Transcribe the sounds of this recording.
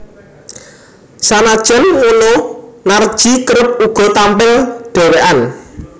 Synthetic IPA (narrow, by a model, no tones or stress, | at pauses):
sanad̥ʒ̥ɛ̤nwononard̥ʒ̥i̤kəɾəp̚uɡ̥ɔ̤t̪ampɪlɖ̪̥e̤weʔan